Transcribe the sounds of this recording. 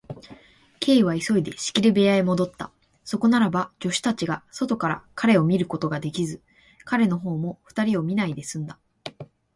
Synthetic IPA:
kʰe̞ːβ̞aiso̞id̪e̞ɕi̥kʲiɾɯ̟be̞aimo̞d̪o̞t̪ːa̰ | so̞ko̞naɾabad͡ʑo̞ɕi̥t̪at͡ɕiɡaso̞t̪o̞kaɾa̰kaɾe̞o̞mʲiɾɯ̟ko̞t̪o̞ɡad̪e̞kʲizɨ | kaɾe̞no̞ɦo̞ːmo̞ɸɯ̟̥t̪aɾʲio̞mʲinaid̪e̞sɨ̃nd̪a

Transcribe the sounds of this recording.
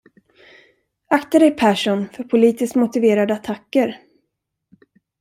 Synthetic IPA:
akt̪ad̪ɛjpʰæʂʊnfœɾpʰʊliːt̪ɪskmʊt̪ɪveːɾad̪əat̪ʰakːəɾ

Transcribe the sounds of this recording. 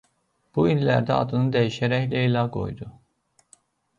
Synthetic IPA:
b̥uinlæɾd̪æɑ̰d̪ɯnɯd̪æjiʃæɾæçlæilɑɡo̞̰jd̪u

